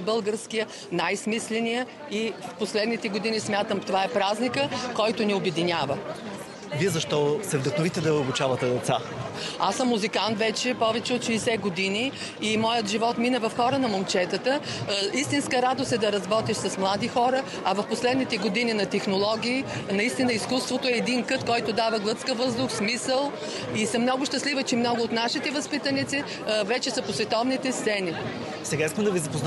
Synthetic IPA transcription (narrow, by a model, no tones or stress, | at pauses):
bɤlˠɡəɾskijə | najsmislɛnijə | ifposlɛd̪nit̪ɛɡod̪inismʲjat̪əmt̪ovaɛpɾaznikəkɔjt̪ʊniʊbɛd̪inʲavə | viɛzɐʃt̪ɔsɛvd̪ɐxnʊvit̪ɛd̪ɐobʊt͡ʃavɐt̪ɛd̪ɛt̪sa̰ | asəmːʊzikant̪vɛt͡ʃɛpɔvɛt͡ʃɛot̪ʃiːsɛɡod̪iniː | mɔjət̪ʒivɔt̪minəvɐfxɔɾənɐmomt͡ʃɛt̪ət̪əist̪inskəɾad̪ost̪ɛd̪ɐɾɐzbɔt̪iʃsɐsmlˠad̪ixɔɾə | ɐvɐfposlɛd̪nit̪ɛɡod̪ininɐt̪ɛxnolˠɔɡʲiːnɐist̪inəiskust̪vot̪oɛːd̪inkɤt̪kɔjt̪ʊd̪avɐɡlˠɤt̪skəvɤzd̪ʊxsmisəlˠ | isəmnɔɡʊʃt̪ɐslivət͡ʃɛmnɔɡʊot̪naʃit̪ɛvɐspit̪ɐnit̪sɛ | vɛt͡ʃɛsɐposvɛt̪ɔvnit̪ɛst̪sɛni | sɛɡaiskəmd̪ɐvizɐpozn